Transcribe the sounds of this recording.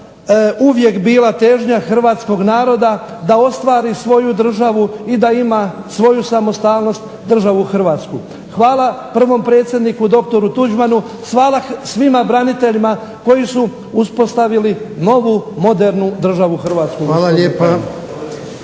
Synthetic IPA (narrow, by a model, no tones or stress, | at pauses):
uʋje̞kbiːlˠat̪e̞ʒɲaxr̩ʋaːt̪sko̞ɡnaːɾo̞d̪a | d̪ao̞st̪ʋaːɾisʋo̞jud̪r̩ʒaʋuid̪aima | sʋo̞jusamo̞st̪aːlno̞st̪ | d̪r̩ʒaʋuxr̩ʋaːt̪sku | xʋaːlˠapr̩ʋo̞mpɾe̞ːt̪sʲjed̪nikud̪o̞k̚t̪o̞ɾut̪ud͡ʒmanu | sʋaːlˠasʋimabɾanit̪e̞ʎima | ko̞jisu | uspo̞st̪aʋilino̞ʋumo̞d̪e̞ɾnud̪r̩ʒaʋuxr̩ʋaːt̪skuʋaːlaʎeːpa